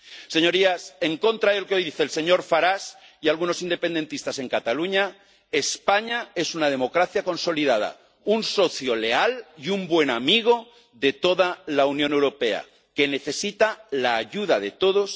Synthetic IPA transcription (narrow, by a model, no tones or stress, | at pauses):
se̞ɲo̞ɾiase̞ŋko̞nt̪ɾaelokeojðiθe̞ːlse̞ɲo̞ɾfaɾasialɣ̞uno̞sind̪e̞pe̞nd̪e̞nt̪ist̪ase̞ŋkat̪aluɲa | e̞spaɲae̞sunað̞e̞mo̞kɾaθjako̞nso̞liðað̞a̰ | unso̞θjo̞le̞aliumbwe̞namiɣ̞o̞ | ðe̞t̪o̞ðalaunjone̞wɾo̞pe̞a̰ | ke̞ne̞θe̞sit̪alaːʝuð̞aðe̞t̪o̞ðo̞s